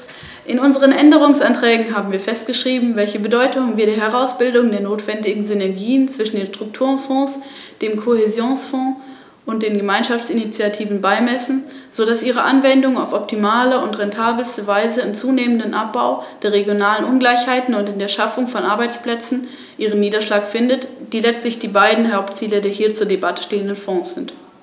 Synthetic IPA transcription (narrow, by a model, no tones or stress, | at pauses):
ʔɪnʊnzəʁ̞ənʔɛndəʁʊŋsʔantʁ̥ɛːɡŋ̩ɦaːbm̩viːɐfɛst̚ɡ̥əʃʁ̥iːbm̩vɛlçəbədɔʏtʊŋənviːɐɾeːɐɦɛʁ̞aʊsb̥ɪldʊŋdeːɐnoːtv̥ɛndɪɡŋ̩zʏnɛɐɡiːənt͡sv̥ɪʃn̩deːnʃtʁ̥ʊk̚tʰuːʁənfɔ̃ːs | d̥eːmkʰohezjoːnsfɔ̃ː | ʔʊnt̚d̥eːnɡəmaɪnʃaft͡sinit͡sjatʰiːvn̩baɪmɛsn̩z̥odasʔiːʁəʔanvɛndʊŋa̰ʊfɔp̚tʰimaːləʊntʁɛntʰaːblstəvaɪzəɪmt͡suːneːməndənʔap̚b̥aʊd̥eːɐʁeɡjonaːlənʔʊnɡlaɪçhaɪtn̩ʊntɪndeːɐʃafʊŋfɔnʔaɐbaɪt͡spl̥ɛt͡sn̩ | ʔiːʁ̞ənːiːdɐʃlaːkfɪndətd̥iːlɛt͡stlɪçd̥iːbaɪdn̩ɦaʊpt͡siːlədeːɐɦiːɐt͡suːɐdebatə̥ʃteːəndənfɔ̃ːsz̥ɪnt